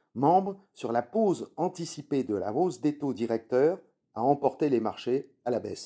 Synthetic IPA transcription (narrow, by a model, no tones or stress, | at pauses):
mɑ̃bʁ | syʁlapozɑ̃t̪isiped̪əla̰ozd̪et̪od̪iʁɛk̚t̪œːʁ | aɑ̃pɔʁt̪elemaʁʃe | alabɛs